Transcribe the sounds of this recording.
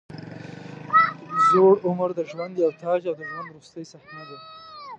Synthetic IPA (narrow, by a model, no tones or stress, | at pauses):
zoɽʊməɾd̪əʒwand̪jawt̪ʰɑd͡ʒawd̪əʒwand̪ɾust̪əjsaht̪nad̪e